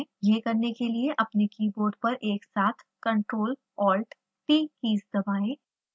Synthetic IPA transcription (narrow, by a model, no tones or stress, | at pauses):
jeːkɐɾnekelieʔɐpnekiːboːɾɖ̚pɐɾʔeːksaːt̪ʰkɐ̃ɳʈɾoːl | ɔːlʈ | ʈiːkiːsd̪ɐbaːeː